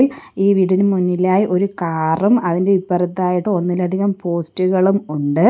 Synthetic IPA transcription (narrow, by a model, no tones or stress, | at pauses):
liːʋiɽinɨmunːilaːjiʔo̞ɾukaːrumɐðinde̞ipːɐrɐt̪ːaːjiʈːɨo̞nːilɐd̪ʱiɣɐmpo̞ːstuɣɐɭumuɳɖɨ